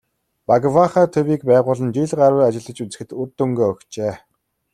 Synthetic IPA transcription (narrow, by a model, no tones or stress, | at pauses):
paɡwaχaːt̪ʰɵwiːkpæːʁʊːɮə̆nt͡ɕiɮɢaɾwʊːat͡ɕɪ̆ɮə̆t͡ɕut͡sɘ̆xɘ̆t̪urt̪ːɵŋɡeːœkt͡ɕeː